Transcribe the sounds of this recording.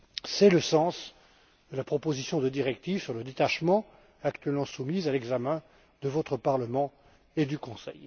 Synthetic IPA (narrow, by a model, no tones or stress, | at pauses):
sɛləsɑ̃s | d̪əlapχɔpozisjɔ̃d̪əd̪iʁɛkt̪ivsyʁləd̪et̪aʃmɑ̃ | akt̪ɥɛlmɑ̃sumizalɛɡzamɛ̃ | d̪əvɔt̪χəpaʁləmɑ̃ | ed̪ykɔ̃sɛ̰j